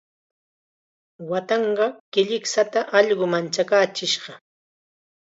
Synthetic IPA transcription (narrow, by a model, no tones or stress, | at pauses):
wat̪ɑɴɢɑkɪʎɪksat̪aʔɑʎɢʊmant͡ʃakaːt͡ʃɪʃɢɑ